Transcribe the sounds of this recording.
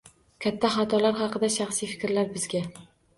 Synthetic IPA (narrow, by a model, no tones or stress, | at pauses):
kʲʰat̪ʰːaχat̪ʰɒlaɾɦɑqɨd̪aʃɑχsijfɪ̥kʲɾlaɾbɪzɡʲa